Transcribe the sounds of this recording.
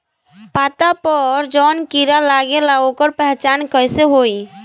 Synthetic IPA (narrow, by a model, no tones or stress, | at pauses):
paːt̪apɔɾd͡ʒɔːnkiɾalaːɡelaokəɾpɛɦt͡ʃaːnkəjseɦoːi